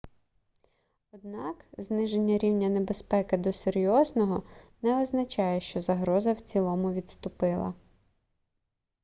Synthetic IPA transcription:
ɔd̪̚nɑkznɪʒenʲːɐɾʲiwnʲɐnebe̞spɛkɪd̪ɔseɾʲjɔznɔɦɔnɛɔznɐt͡ʃɑjɛʃt͡ʃɔzɐɦɾɔzɐwt͡sʲilˠɔmʊʋʲit̪st̪ʊpɪlˠɐ̰

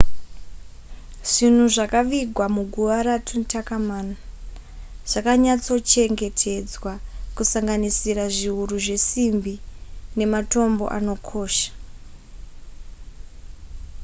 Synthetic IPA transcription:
ʐ̥in̤uʐakaʋiɡʱwamuɡʱuʋaɾatʰuntakamaːna | ʐ̥akaɲat͡so̞t͡ʃe̞ŋɡe̞tʰe̞d͡zwakusaŋɡanisiraʐiuruʐe̞simbine̞mato̞mbo̞̰ʔa̰no̞kʰo̞ːʃḁ

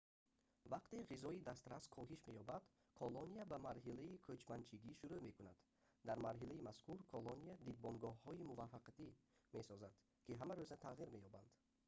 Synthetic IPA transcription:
vaqt̪eʁizɔid̪ast̪ɾaskʰɔɦiʃme̞jɔbad̪̥ | kʰɔloniabamaɾɦilaikʰøt͡ʃmant͡ʃʰiɡiʃuɾume̞kunad̪̥ | d̪aɾmaɾɦilaimaskuɾkʰɔloniad̪id̪̚bɔnɡɔhhɔimuvafːaqat̪imesɔzad̪̥ | kʰiɦamaɾøzat̪ʰaʁiɾme̞jɔband̪̥

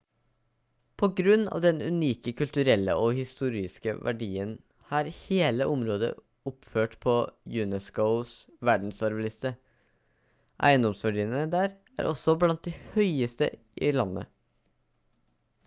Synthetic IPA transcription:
pʰɔɡɾʉnːɑ̰ːʋd̪ɛnʉniːkəkʰʉlt̪ʉɾɛlːə̰ʔɔhɪst̪uːɾɪskə̰ʋʔæ̰ɖiːən | hɑːɾheːləʔɔmɾoːd̪ə̰ | ʊpføːʈpʰɔjʉːnɛskəʊs | ʋæɖɳ̩sɑɾʋɪlɪst̪ə | ʔæ̰ɪənd̪ɔmsʋæɖiːənəd̪æːɾ | æ̰ːɾʔɔsːɔblɑnt̪̚d̪ɛhœʏəst̪ə̰ | ʔɪlɑnːə̰

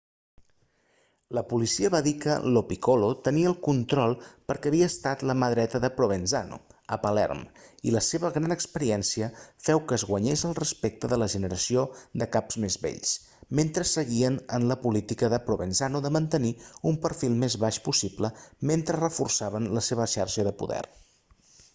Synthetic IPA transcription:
ləpulisiəβaðikə̰lopikolot̪əniəlˠkunt̪ɾɔlˠpəɾkɛːβiəːst̪at̪ləməðɾɛt̪əðəpɾoβ̞enza̰no̰əpəlɛ̰rmiləseβəɣɾanəkspəɾiɛnsiəfɛwkəːzɣwəɲezəlˠrəspek̚t̪əðələʒənəɾəsiod̪əkapz̥mezβḛʎs | ment̪ɾəsəɣiənənləpulit̪ikəðəpɾoβenzanuðəmənt̪əniumpəɾfilˠmezβaʃpusipləment̪ɾərəfursaβənləseβəʃaɾʃəðəpṵðɛ̰r

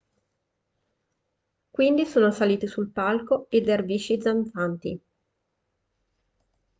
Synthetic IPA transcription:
kwind̪isoːnosaliːt̪isulpalkoed̪erviʃid̪zaɱfant̪ḭ

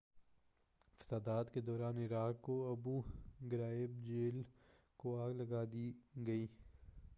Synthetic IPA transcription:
fɐ̥saːd̪aːt̪ked̪ɔːɾaːnɪɾaːkkoɐbuɡɪɾaːɪbd͡ʒeːl | koaːɡlɐɡaːd̪iɡɐiː

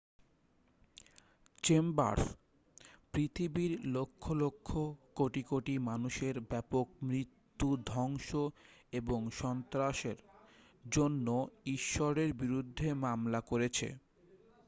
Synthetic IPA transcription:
t͡ɕemba̰ɾs | pɾit̪ʰibiɾlokʰːolokʰːokoʈikoʈimanuʃeɾbɛpok̚mɾit̪ːud̪ʱɔŋʃoeboŋʃɔnt̪ɾaʃeɾ | d͡ʑonːoiʃːɔɾeɾbiɾud̪ʱːemamlakoɾet͡ɕʰḛ

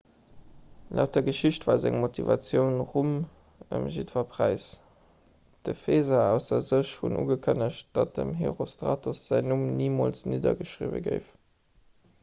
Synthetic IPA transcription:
lʔæʊt̚ɐɡəʃiɕtvaːzæŋmotʰivɑt͡sjəʊnʁum | ə̰mʒitvɐpʰʁ̥æɪs | d̥əfeːzɑæʊsɐzəʃhunʔṵɡəkʰənəɕt̚d̥ɑt̚dəmɦḛʁostʁɑ̰ːtʰusz̥æɪnumniːmoːlsniːdɐ̰ɡəʃʁḭvə̰ɡəɪf

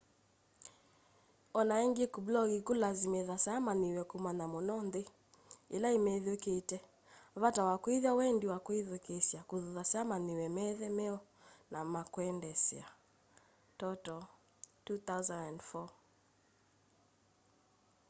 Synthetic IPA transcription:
ɔnaɛŋɡekublɔɣikulazimɛðasamaniwɛkumanamɔnɔnðe | ilaimɛðoketɛ | βatawakwiðjawɛndiwakwiðokesjakuððasamaniwɛmɛðɛmɛɔ | namakwɛndɛsia | tɔtɔ | tuθawzandandfɔ

